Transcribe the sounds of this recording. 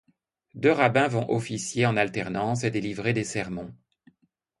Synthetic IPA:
d̪øʁabɛ̃vɔ̃ʔɔfisjeɑ̃nalt̪ɛʁnɑ̃s̬ed̪elivʁed̪esɛʁmɔ̃

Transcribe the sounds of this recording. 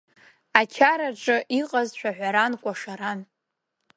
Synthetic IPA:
at͡ʃʰaɾaʈ͡ʂʼɨʔiqʼazʃʷᶣaħᶣʷaɾankʷʼaʂaɾan

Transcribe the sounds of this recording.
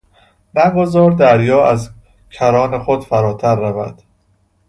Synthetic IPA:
næɡozɒːɾd̪æɾjɒːæz | cʰæɾɒːnexod̪fæɾɒːt̪ʰæɾːævæ̰d̪̥

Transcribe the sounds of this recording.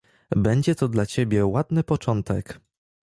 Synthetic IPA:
bɛɲd͡ʑɛt̪ɔd̪lat͡ɕebʲjɛwad̪nɘpɔt͡ʂɔnt̪ɛk

